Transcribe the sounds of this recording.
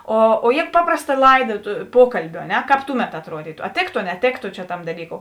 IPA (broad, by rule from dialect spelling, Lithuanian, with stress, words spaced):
oː oː jeː ˈpɑːprɐsˌtɐ ˈlˠɐɪˌdɐ tʊ ˈpuɔkɐlʲbʲʊ ɐ ˈnʲɛ ˈkɑːp ˈtʊˌmʲɛt ɐtˈruɔdʲiːtʊ ɐ ˈtʲeːktʊ ɐ nʲɛˈtʲeːktʊ t͡ʃʲɛ ˈtɐm dɐˈlʲiːˌkoːʊ